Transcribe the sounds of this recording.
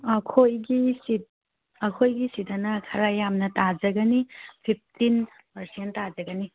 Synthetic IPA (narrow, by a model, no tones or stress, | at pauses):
ɐkʰojɡisit̚ | ɐkʰojɡisitɐnɐkʰɐɾajamnɐtad͡ʒɐɡɐnipʰip̚ʰtin | pɐɾsenttːad͡ʒɐɡɐni